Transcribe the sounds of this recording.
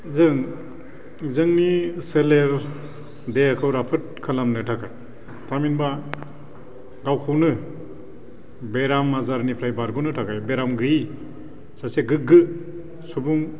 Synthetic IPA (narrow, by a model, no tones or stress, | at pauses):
zɯŋ | zɯŋniseleɾ | deakʰɯwɾapʰɯt̚kʰalamnɯtʰakʰaj | tʰaminba | ɡawkʰɯwnɯ | beɾamːazaɾnipʰɾajbaɾɡunɯtʰakʰajbeɾamɡɯi | saseɡɯɡɯ | subuŋ